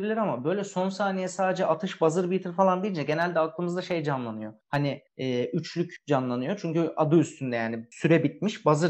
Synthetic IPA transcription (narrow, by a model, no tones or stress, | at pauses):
bilʲiɾamabø̞jlʲɛso̞nsaːnijɛsaːd̪ed͡ʒɛʔat̪ʰɯʃbazɯɾbit̪ʰɯɾfalˠand̪ejind͡ʒɛɟe̞nælʲd̪ɛaklˠɯmɯzd̪aʃe̞jd͡ʒanlˠanɯjo̞haniɛːʔyt͡ʃʰlʲycd͡ʒanlˠanɯjo̞t͡ʃʰyɲcyad̪ɯyst̪ʰynd̪ɛjaːnisyɾɛbit̪̚miʃbazɯɾ